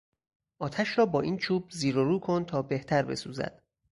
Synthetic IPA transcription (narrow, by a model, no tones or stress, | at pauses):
ʔɒːt̪ʰæʃɾɒːbɒːʔiːnt͡ʃʰuːb̚ziːɾoɾuːkʰo̞nt̪ʰɒːbeht̪ʰæɾbe̞̰suːzæ̰d̪̥